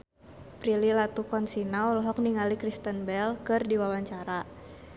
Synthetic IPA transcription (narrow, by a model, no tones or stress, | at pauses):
pɾililat̪ukɔnsinaɔlɔɦɔk̚niŋalikɾist̪ənbɛlkɨrdiwawaɲt͡ʃaɾa